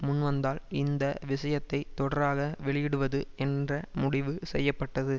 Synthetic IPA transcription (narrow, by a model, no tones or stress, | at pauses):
mʊnʋɐnd̪aːlɪnd̪ɐʋɪʂɐjɐt̪ːɐɪt̪ːɔɽɐɾaːɣɐʋɛɭɪjɪɽɯʋɐðɯɛndrɐmʊɽɪʋɯsɛjːɐpːɐʈːɐðɯ